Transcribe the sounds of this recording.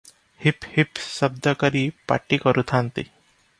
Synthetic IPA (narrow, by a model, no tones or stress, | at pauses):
hiphipsəb̚d̪əkəɾiːpa̰ʈiːkəɾut̪ʰant̪ḭ